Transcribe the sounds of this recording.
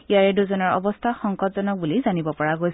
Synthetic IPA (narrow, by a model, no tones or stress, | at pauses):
ijaɹɛduzɔnɔɹɔ̰bɔstʰaxɔŋkɔtzɔnɔk̚bulizanibɔpɔɹaɡojs